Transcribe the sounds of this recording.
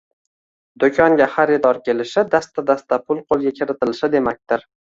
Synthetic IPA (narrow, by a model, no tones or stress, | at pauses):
d̪̥okʲʰɒŋɡʲaχaɾɪd̪ɒɾkʲe̞lɪʃɪd̪ast̪ad̪ast̪ʰapʰʊlˠqʰolˠɡʲakʲʰɪɾɪt̪ɪlɪʃɪd̪e̞mak̚ʲt̪ɪɾ